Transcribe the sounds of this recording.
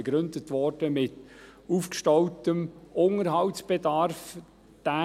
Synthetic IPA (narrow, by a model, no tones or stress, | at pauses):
ɡ̥ɾʏndətvɔrd̥əmɪtuːfkʃtɔʊtəmʔʊŋəɾɦɑltsb̥ɛdɑrf | d̥æ